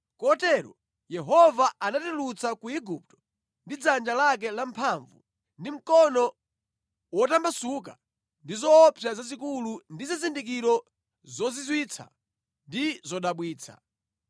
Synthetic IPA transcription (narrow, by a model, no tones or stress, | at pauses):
kɔtɛɾɔ̰ | jɛɦɔvaanatilut͡sakuiɡup̚tɔ̥ | ndid͡zand͡ʒalak̬ɛlampʰaɱvṵ | ndim̩kɔnɔ | wɔtambasuk̬a | ndizɔːpʰjazazikulundizizindik̬iɾɔ | zɔzizwit͡sʰa̰ | ndizɔɗaɓwiːt͡sʰa̰